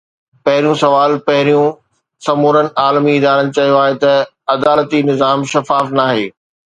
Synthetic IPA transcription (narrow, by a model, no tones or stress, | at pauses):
pɐɦɪɾjũsɐʋaːlpɐɦɪɾijũ | sɐmoːɾənɪ̆aːlmiɪd̪aːɾənɪ̆t͡ɕɐɦijoaːɦet̪ɐ | ɐd̪aːlət̪inɪzaːmʃɐfaːfnaːɦeː